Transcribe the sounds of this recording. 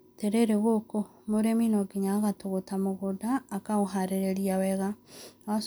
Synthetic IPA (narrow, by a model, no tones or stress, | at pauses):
teɾeɾeɣoko | moɾeminoɡiɲaːɣatoɣotamoɣodaːkaɣoɦaɾeɾeɾiawɛɣaas